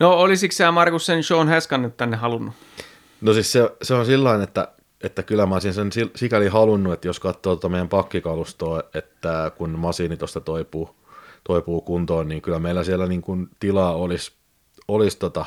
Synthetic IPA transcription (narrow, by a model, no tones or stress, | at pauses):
noolisiksæːmɑrkussenʃoːnhæskɑnːet̪t̪ænːehɑlunːu | nosisseseonsilːɑinet̪ːæ̰ | et̪ːækylːˑæmɑsinsensisikælihɑlunːuet̪ːjoskɑt̪ːoːt̪ot̪ɑmeˑjæmpɑkːikɑlust̪oːet̪ːækunmɑsiːnit̪ost̪ɑt̪oipuː | t̪oipuːkunt̪oːnniːŋkylːˑæmeilæsielːˑæniːŋkunt̪ilɑːolis | olist̪ot̪ɑ